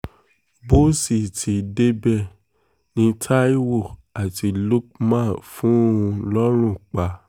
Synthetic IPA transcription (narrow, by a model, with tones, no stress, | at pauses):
bo˦si˨tʰi˨˧de˦bɛ˦˨ | nĩ˧tʰa˦i˦wo˦˨a˨ti˧lu˦k̚mã˦˨fũ˦o˦ũ˧lɔ˦ɾ̃ũ˦˨k͡pa˧˦